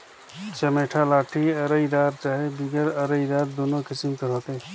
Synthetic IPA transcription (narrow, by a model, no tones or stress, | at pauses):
t͡ʃəmeːʈʰalaːʈʰiɐɾəid̪aːɾt͡ʃaːɦebiɡəɾəɾəid̪aːɾd̪oːnõkɪsɪmkəɾɦoːt̪e